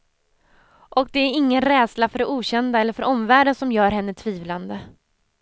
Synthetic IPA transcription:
ʔɔk̚d̪ɛæɾɪŋːənɾɛːd̪slafœɖɛuːɕɛnd̪aɛlːəɾfœɾʔɔmvæːɖənsɔmjœːɾɦɛnːət̪ʰviːvland̪ə

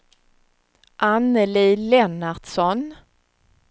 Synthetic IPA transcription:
ʔanəlilɛnaɖsɔn

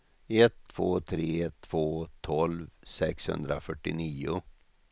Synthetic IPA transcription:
ɛt̪ʰːv̥oːt̪ʰɾeːɛt̪ʰv̥oːt̪ʰɔlvsɛkshɵ̰nd̪ɾafœʈːɪniːʊ

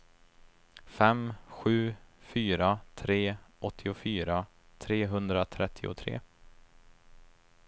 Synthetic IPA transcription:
fɛmɧʉ̟ːfyːɾat̪ʰɾeːʔɔt̪ʰːɪʊfyːɾa | t̪ʰɾeːɦɵnd̪ɾat̪ʰɾɛt̪ʰːɪʊ̰t̪ʰɾḛː

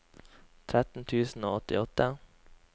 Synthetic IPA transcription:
t̪ʰɾɛt̪ːnt̪ʰʉːsn̩oːɔt̪ːɪɔt̪ːə

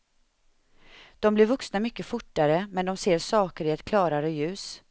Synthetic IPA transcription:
d̪̥ɔmblɪɾvɵksnamʏkːəfʊʈːaɾəmɛnd̪ɔmseːɾʂɑːkəɾɪɛt̪kʰlɑːɾaɾəjʉ̟ːs

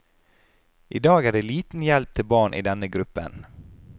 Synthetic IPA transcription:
ʔɪd̪ɑːɡæːɖeːliːt̪n̩jɛlp̚t̪ʰɪlbɑːɳʔḭːd̪ɛnːəɡɾʉpːə̰n

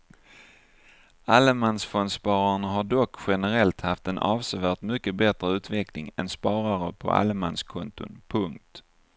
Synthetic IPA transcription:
aləmansfɔnspɑːɾaɳaɦaɖɔkːɧɛnəɾɛlt̪haft̪ɛnʔɑːvsəvæːʈmʏkːəbɛt̪ɾəʉ̟ːt̪vɛklɪŋɛ̰nspɑːɾaɾəpʰɔ̰ʔa̰lmanskʰɔnt̪ʊ̰npʰɵŋk̚t̪

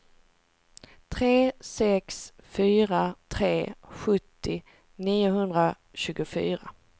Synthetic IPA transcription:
t̪ʰɾeːsɛksfyːɾat̪ʰɾeːɧɵt̪ːɪ | niːʊɦɵnd̪ɾa | ɕʉ̟ːɡʊfy̰ːɾa̰

